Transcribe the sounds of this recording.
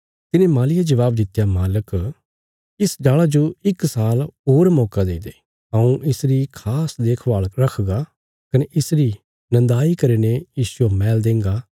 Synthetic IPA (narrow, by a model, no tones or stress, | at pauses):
t̪ɪnẽmaːlɪjad͡ʒəʋaːb̚d̪ɪt̪ːjamaːlək | ɪsɖaːɭad͡ʒoɪksaːlɦoːɾmɔːkad̪eːd̪eː | əũʔɪsɾikʰaːsd̪eːkʰbaːɭɾɐkʰɡa | kɐneʔɪsɾi | nɐ̃nd̪aːikɐɾeːnejiːsuamɛːld̪ẽːŋɡaː